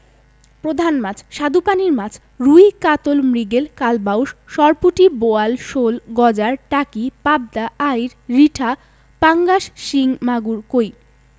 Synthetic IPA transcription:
pɾod̪ʱanmat͡ɕʰʃad̪upaniɾmat͡ɕʰ | ɾujkat̪olmɾiɡelkalbawʃʃɔɾpuʈiboalʃolɡɔd͡ʑaɾʈakipab̚d̪aʔajɾːiʈʰa | paŋɡaʃʃiŋmaɡuɾkoj

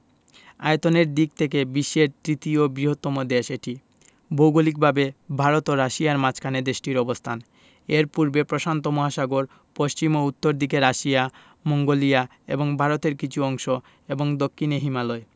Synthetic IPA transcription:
a̰jet̪oneɾd̪ik̚t̪ʰekebiʃːeɾt̪ɾit̪iobɾiɦot̪ːɔmod̪eʃeʈi | bʱowɡolik̚bʱabebʱaɾot̪oɾaʃiaɾmat͡ɕʰkʰaned̪eʃʈiɾɔbost̪ʰan | eɾpuɾbepɾoʃant̪omɔɦaʃaɡoɾ | poʃt͡ɕimout̪ːoɾd̪ikeɾaʃija | moŋɡolija | ḛboŋbʱaɾot̪eɾkit͡ɕʰuɔŋʃo | eboŋd̪okʰːineɦimalɔe

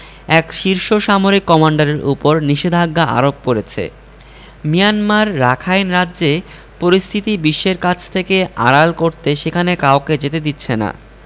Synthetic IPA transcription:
ɛkʃiɾʃoʃamoɾikːɔmaɳɖaɾeɾṵpoɾniʃed̪ʱaɡːaʔa̰ɾok̚poɾet͡ɕʰḛ | mijanmaɾːakʰajnɾadʑe | poɾist̪ʰit̪ibiʃːeɾkat͡ɕʰt̪ʰekea̰ɾalkoɾt̪eʃekʰanekaoked͡ʑet̪ed̪itːɕʰena̰

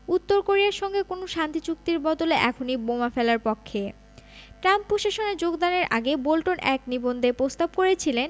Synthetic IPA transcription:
ut̪ːoɾkoɾijaɾʃɔŋɡekonoʃant̪it͡ɕuk̚t̪iɾbɔd̪oleʔɛkʰonibomafelaɾpɔkʰːe | ʈɾampːɾoʃaʃoneɾd͡ʑoɡd̪aneɾʔa̰ɡebolʈonʔɛknibond̪ʱepɾost̪ab̚koɾet͡ɕʰilen

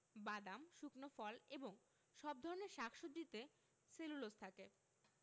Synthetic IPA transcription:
bad̪amʃuknofɔleboŋ | ʃɔb̚d̪ʱɔɾoneɾʃakʰʃod̪ɾit̪e | selulost̪ʰake

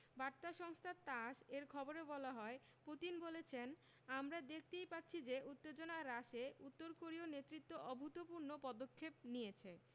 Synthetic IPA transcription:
baɾt̪aʃɔŋst̪ʰat̪aʃeɾkʰɔboɾebɔlaɦɔe | put̪inbolet͡ɕʰen | amɾad̪ek̚ʰt̪ejpatːɕʰid͡ʑeʔut̪ːed͡ʑonaɾaʃeut̪ːoɾkoɾionet̪ːɾit̪ːoʔɔbʱut̪opuɾnopɔd̪okʰːep̚nijet͡ɕʰe

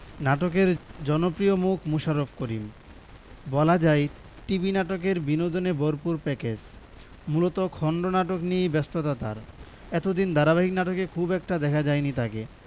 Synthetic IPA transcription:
naʈokeɾd͡ʑɔnopɾiomukʰmuʃaɾofkoɾim | bɔlad͡ʑaj | ʈibinaʈok̬eɾbinod̪oneboɾpuɾpɛket͡ɕ | mulot̪okʰɔɳɖonaʈoknijbɛst̪ʰot̪at̪a̰ɾ | ɛt̪od̪ind̪aɾaβaɦiknaʈokekʰubɛk̚ʈad̪ɛkʰad͡ʑajnit̪ʰake

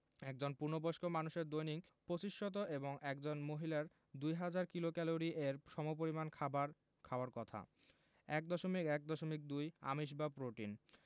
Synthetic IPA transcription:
ɛk̚d͡ʑonpuɾnoboʃkomanuʃeɾd̪ojniŋ | pɾot͡ɕiʃʈot̪̬oʔeboŋɛk̚d͡ʑonmoɦilaɾ | d̪ujɦad͡ʑaɾkilokɛloɾiʔeɾʃɔmop̬oɾimankʰabaɾ | kʰaaɾkɔt̪ʰa̰ | ɛk̚d̪ɔʃomikɛk̚d̪ɔʃomik̚d̪uja̰miʃ̬bapɾoʈin

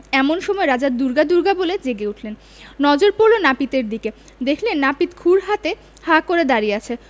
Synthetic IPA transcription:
ɛmonʃɔmɔeɾad͡ʑad̪uɾɡad̪uɾɡaboled͡ʑeɡeuʈʰlen | nɔd͡ʑoɾpoɾlonapit̪eɾd̪ike | d̪ekʰlenːapit̪kʰuɾɦat̪e | hakoɾed̪aɾijeat͡ɕʰe

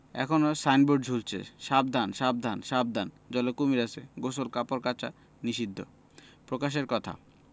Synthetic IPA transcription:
ɛ̰kʰonosajnboɖd͡ʑʱult͡ɕʰḛʃab̚d̪ʱanʃab̚d̪ʱanʃab̚d̪ʱan | d͡ʑɔlokumiɾasḛɡosolkapoɾkat͡ɕa̰ | niʃid̪ʱːo̰ | pɾokaʃ̬eɾkɔt̪ʰa̰

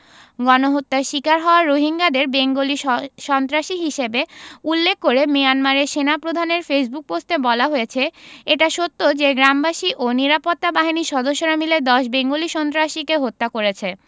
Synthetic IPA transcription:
ɡɔnoɦot̪ːaʃikaɾɦɔoaɾɾoɦiŋɡad̪eɾbeŋɡoliʃɔnt̪ɾaʃiɦiʃebeulːekːoɾemijanmaɾeʃenapɾod̪ʱaneɾfesbuk̚post̪ebɔlaɦojet͡ɕʰeeʈaʃot̪ːod͡ʑeɡɾambaʃiʔoniɾapot̪ːabaɦiniʃɔd̪oʃːoɾamiled̪ɔʃbeŋɡoliʃɔnt̪ɾaʃikeɦot̪ːakoɾet͡ɕʰe

